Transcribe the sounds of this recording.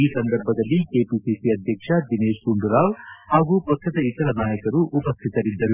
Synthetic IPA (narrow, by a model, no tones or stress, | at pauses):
iːsɐnd̪ɐɾbʱɐd̪ɐlːikeːpisisiɐd̪ʱjɐkʂɐd̪ineːʃɡuɳɖuɾaːwhaːɡupɾɐkɾɐt̪ɐit̪ɐɾɐnaːjɐkɐɾuʔupɐst̪ʰit̪ɐɾid̪ːɐɾu